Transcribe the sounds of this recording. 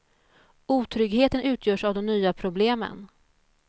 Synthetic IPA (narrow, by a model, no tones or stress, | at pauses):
uːt̪ʰɾʏɡheːt̪ənʉ̟ːt̪ʰjœːʂavd̪ɔmnyːapʰɾʊbleːmə̰n